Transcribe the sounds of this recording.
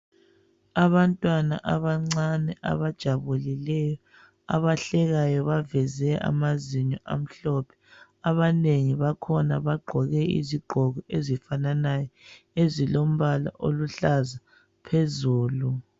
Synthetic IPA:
aβantʼwana̰ʔaβaŋ͡ǀanɛʔa̰βad̥ʒ̥ʱaβulilɛjɔ | a̰βaɬɛɣajɔβavɛzɛa̰maziɲɔʔa̰m̩ɬɔpʰɛ̥ | aβaneŋiβakʰɔnaβaɡ͡ǃʱɔɣɛḭziɡ͡ǃʱɔɣɔezifananajɔ | ezilom̩βala̰ʔoluɬaza | pʰezuːlu

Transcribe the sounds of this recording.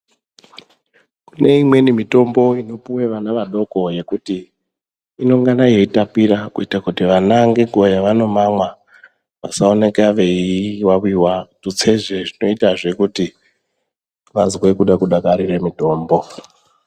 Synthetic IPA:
kune̞imwe̞nimito̞mbo̞ino̞puweʋanaʋaɗo̞ko̞je̞kutiː | no̞ŋɡanaje̞itapiɾakuitakutiʋanaŋɡe̞ɡojaʋano̞mamwa | ʋa̰saone̞kaʋe̞iwawiwatut͡se̞ʐeʐino̞itaʐe̞kuti | ʋazwe̞kuɗakuɗakaɾiremito̞ːmbo̞

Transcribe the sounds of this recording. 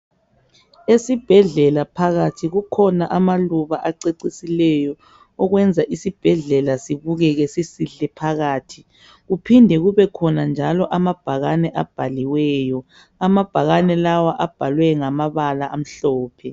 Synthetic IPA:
esib̥ʱɛɮɛlapʰaɣatʰiɣukʰɔnaʔamaluβaʔaǀeǀisilɛjɔ | ɔɣwɛnd͡zʱaʔisib̥ʱɛɮɛlasiβuɣɛɣɛsisiɬɛpʰaɣaːtʰi | ɣupʰindʱɛɣuβɛkʰɔnand͡ʒʱalɔʔamab̥ʱaɣanɛʔab̥ʱaliwɛːjɔ | amab̥ʱaɣanɛlawaʔab̥ʱalwɛŋamaβalaʔam̩ɬɔːpʰɛ

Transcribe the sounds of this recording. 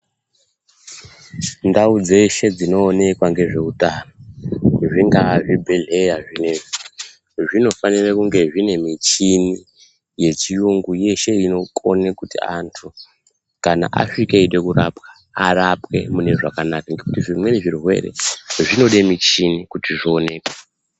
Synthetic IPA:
ndaud͡ze̞ʃe̞d͡zino̞ːne̞kwaŋɡe̞ʐe̞utanoʐiŋɡaʐibʱe̞ɮe̞jaʐineʐi | ʐino̞fanirakuŋɡe̞ʐine̞mit͡ʃini | je̞t͡ʃijuŋɡuje̞ʃe̞ino̞kʰʼo̞nekutia̰ntʰu | kana̰ʔa̰ʂikeiɗe̞kura̰pwḁ | arapwe̞mune̞ʐakanakaŋɡekutiʐimwe̞neʐirɦwe̞̰re̞̰ʐino̞ɗemit͡ʃinikutiʐoːne̞ːkwḁ

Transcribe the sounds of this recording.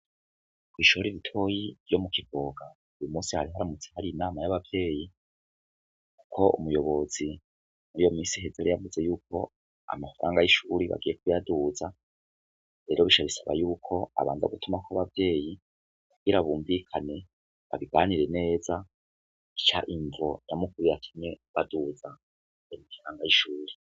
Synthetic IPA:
kwiːʃooɾiβitʰo̞jivjo̞mukivo̞ːɡa | ujomuːsihaɾiɦaɾamut͡se̥haɾiinaːmajaβavje̞ːji | ku̥kʰo̞ṵmujo̞βo̞z̥i | muɾijo̞miːsiɦe̞zeɾejavuze̞juːkʰo̞̰ | a̰mafaɾʔaːŋɡajiʃuɾiβa̰ɡijek̚ujaduza | ɾe̞ːɾo̞βiʃaβisaβa̰juːkʰo̞a̰βa̰ːnza̰ɡutumakaβavje̞ːji | kuɡ̥iɾaβuːɱvikʰane̞ | βa̰βiɡaːniɾe̞ne̞ːza | it͡ʃa̰ʔiɱvo̞namukuɾiatʰumɲe̞βaduza | emifaɾaːŋɡajiʃuːɾi

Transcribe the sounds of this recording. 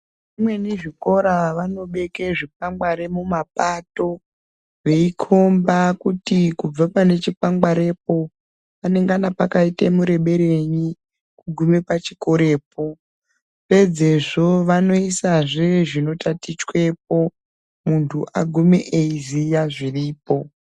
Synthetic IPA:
imwe̞niʐiko̞ɾaʋano̞ɓe̞keʐip̚aŋɡwaɾemumapato̞ | ʋe̞ikʰo̞mbakutikub͡vapane̞t͡ʃipaŋɡwaɾe̞p̚o̞ | pane̞ŋɡanapakaitemuɾe̞ɓe̞ɾe̞ɲi | kuɡʱume̞pat͡ʃiko̞ɾe̞ːpo̞ | ʋe̞d͡ze̞ʐo̞ʋano̞isaʐeʐino̞tatit͡ʃwe̞p̚o | muntʰuʔaɡʱumeʔeizijaʐiriːpo̞

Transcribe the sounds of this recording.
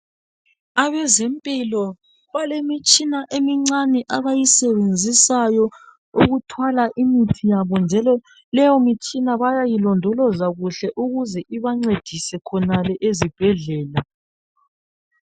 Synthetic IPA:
aβɛzɛmpʼilɔ | βalemit͡ʃʼinaʔemiŋ͡ǀanɛʔaβajisɛβend͡zʱisajɔ | uɣutʰwalaʔimitʰijaβɔnd͡ʒʱɛlɔ | lɛjɔmit͡ʃʼinaβajajilɔndʱɔlɔzaɣuɬɛʔuɣuzɛʔiβaŋ͡ǀed̥ʱisɛkʰɔnalɛʔezib̥ʱɛɮɛːla

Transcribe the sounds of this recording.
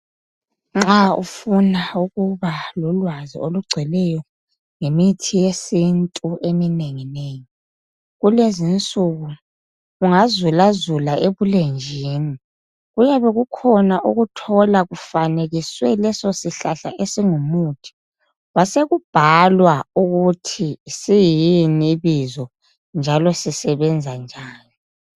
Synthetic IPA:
ŋ͡ǁaṵfunauɣuβalɔlwazḭoluɡ͡ǀʱɛlɛjɔ | ŋemitʰijesintʼuʔemineŋineːŋi | ɣulezint͡sʼuɣu | uŋazulazulaʔeβulend͡ʒʱiːni | ɣujaβɛɣukʰɔnaʔuɣutʰɔlaɣufaneɣiswɛlɛsosiɬaɬa̰ʔesiŋumuːtʰi̥ | waseɣub̥ʱalwauɣutʰisijiniβizɔ | nd͡ʒʱalɔsisɛβɛnd͡zʱand͡ʒʱaːnɔ

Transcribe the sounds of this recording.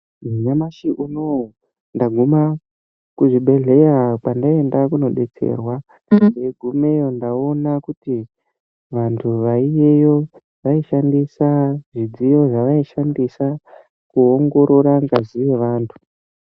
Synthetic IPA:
miɲamaʃiʔuno | ndaɡʱuma | kuʐiɓe̞ɮe̞japandae̞ndakuno̞ɗe̞t͡sḛːrwa | neɡʱume̞jo̞ndao̞nakuti | ʋantʰuʋaije̞jo̞ | ʋaiʃandisaʐid͡zijo̞ʐaʋaiʃandisa | kuoŋɡo̞ɾo̞ɾaŋɡaziʋe̞ʋaːntʰu̥

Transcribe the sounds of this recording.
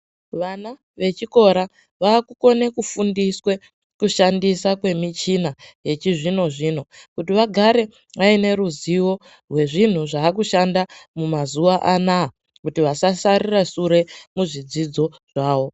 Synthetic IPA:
ʋana | ʋe̞t͡ʃiko̞ɾa | ʋaːkuko̞ne̞kufundiswe̞ | kuʃandisakwe̞mit͡ʃinaje̞t͡ʃiʐino̞ʐino̞kutiʋaɡʱaɾe̞ | ʋaine̞ɾuziwo̞ | rwe̞ʐin̤uʐaːk̬uʃandamumazuʋaʔanaː | kutiʋasasaɾirasuɾe̞muʐid͡zid͡zo̞ʐ̥aːwo̞

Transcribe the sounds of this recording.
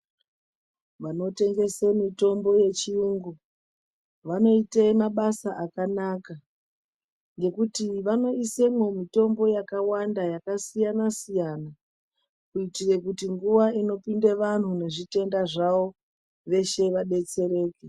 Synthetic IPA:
ʋano̞te̞ŋɡe̞semito̞mbo̞je̞t͡ʃiuːŋɡu | ʋano̞ite̞maɓasaʔakanaːka | ŋɡe̞kutiʋano̞isemwomito̞mbo̞jakawandajakasijanasijana | kuitire̞kutiŋɡuʋaino̞pindeʋan̤une̞ʐite̞ndaʐao̞ | ʋe̞ʃe̞ʋaɗe̞t͡se̞ɾe̞ːke

